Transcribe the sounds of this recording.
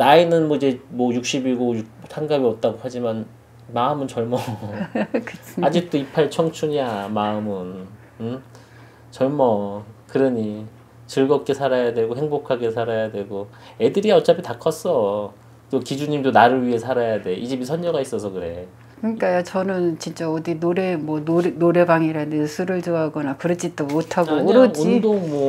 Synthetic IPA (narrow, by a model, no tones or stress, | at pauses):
nainɯnmwʌid͡ʑe̞mwʌjuk̚ɕ͈ibiɡojusʰaŋɡabiʌt̚t͈aɡohad͡ʑiman | maɯmɯnt͡ɕʌɭmʌ | ksad͡ʑik̚t͈oipʰaet͡ɕʰʌŋt͡ɕʰuɲamaɯmɯn | ɯ | t͡ɕʌɭmʌkɯɾʌɲi | t͡ɕɯɭɡʌk͈e̞sʰaɾajadwe̞ɡoɦeŋbokʰaɡe̞sʰaɾajadwe̞ɡo | e̞dɯɾiʌt͡ɕ͈apʰitakʰʌs͈ʌ | t͈okid͡ʑuɲimdonaɾɯɭɥiɦe̞sʰaɾajadeʔid͡ʑemisʰʌnd͡ʑʌɡais͈ʌsʰʌkɯɾe̞ | kɯɲik͈ajat͡ɕʌnɯnt͡ɕint͡ɕ͈aʌdinoɾe̞mwʌnonoɾe̞baŋiɾandesʰuɾɯɭd͡ʑoaɡʌnakɯɾʌd͡ʑid͈omotʰaɡoɾʌd͡ʑuindoŋmʌ